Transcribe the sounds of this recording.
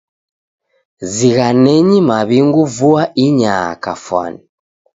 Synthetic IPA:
ziɣanɛɲimaβiŋɡuvuaʔiɲakafwa̰ni

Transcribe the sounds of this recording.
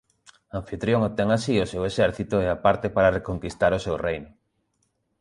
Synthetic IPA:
ãɱfit̪ɾjoŋop̚t̪ɛŋasiosewesɛɾθit̪ʊɛapaɾt̪epaɾarekoŋkist̪aɾʊsewrejnʊ

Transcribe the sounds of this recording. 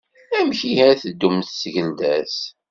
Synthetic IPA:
æmçihæθəd̪ːumθsʝənd̪æs

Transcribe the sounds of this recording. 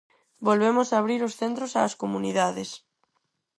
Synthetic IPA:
bolβemosaːβ̞ɾiɾosθent̪ɾosaːskomuniðaðes

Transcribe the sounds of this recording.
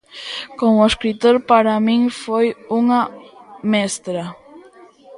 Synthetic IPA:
koŋʊeskɾit̪oɾpaɾamĩŋfojuŋamɛst̪ɾa

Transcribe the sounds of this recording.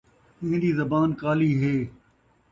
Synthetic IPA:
ɪ̃ɦɪ̃nd̪iːzɐbaːnkaːliːɦeː

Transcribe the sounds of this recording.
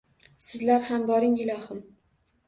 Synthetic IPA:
sɪzlaɾhambɒɾɪŋɪlˠɒhɪm

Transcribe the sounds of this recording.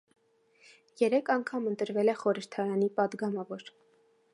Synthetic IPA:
jɛɾɛkʰɑŋkʰɑmənt̪əɾvɛlɛχɔɾəɾt̪ʰɑɾɑnipɑd̪ɡɑmɑvɔɾ

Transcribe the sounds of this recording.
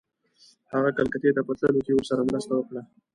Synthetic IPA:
haɣakalkat̪et̪apət̪ləlut͡ʃewəɾsaɾamɾast̪awəkɽa

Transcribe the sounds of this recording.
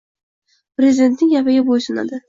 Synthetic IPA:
pɾʲezɪd̪e̞nt̪nɪŋjapɪɡʲabojsʊna̰d̪ɪ

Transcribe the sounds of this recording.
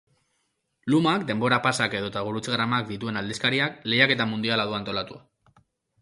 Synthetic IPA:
lumakd̪e̞mbo̞ɾapasake̞ðo̞t̪aɣ̞uɾut͡sɣɾamakd̪it̪ue̞nald̪iskaɾiakle̞jake̞t̪amund̪ialaðuant̪o̞lat̪ua

